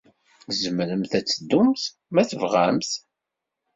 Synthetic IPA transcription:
zəmɾəmθæt͡sːəd̪ːumθ | mæθəvʁamθ

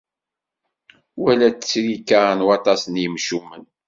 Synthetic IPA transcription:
wælæt͡sːə̥t͡sːɾikːaɾnwɑt̪ˤɑsənjəmʃumːən

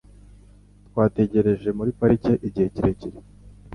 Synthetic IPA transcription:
t̪waːte̞ɟe̞ɾe̞ʒe̞muɾipaɾice̞ʔiɟihe̞ciɾeciɾe

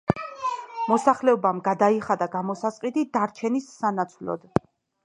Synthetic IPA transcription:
mɔsaχlɛɔbamɡad̪aiχad̪aɡamɔsasʼqʼid̪id̪aɾt͡ʃʰɛnisːanat̪sʰwlɔ̰d̪̥

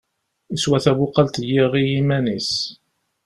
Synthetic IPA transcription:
iswæθæβʊqːɑlt̪jiʁijimænis

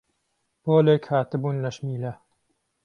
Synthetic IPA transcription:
b̥olekʲʰhaːt̪ɪbunʲlaʃmiːla

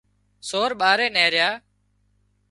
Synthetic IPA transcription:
soːɾɓaːɾeːneːɾɪjaː

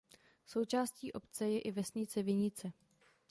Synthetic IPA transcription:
so̞wt͡ʃaːsciːʔo̞pt͡sɛjɛʔɪvɛsɲɪt͡sɛvɪɲɪt͡sɛ

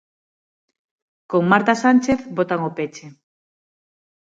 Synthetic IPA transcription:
koŋmaɾt̪asant͡ʃeθbot̪aŋopet͡ʃe

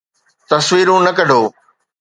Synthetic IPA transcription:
t̪ɐsʋiːɾũːnɐkɐɖʱoː

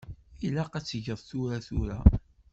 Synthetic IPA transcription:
ilaqæt͡sːəʝəðˤθʊɾaθʊɾa̰

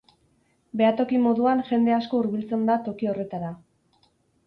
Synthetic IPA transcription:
be̞at̪o̞kimo̞ðuanʝe̞nd̪e̞asko̞uɾβilt͡se̞nd̪at̪o̞kio̞re̞t̪aɾa

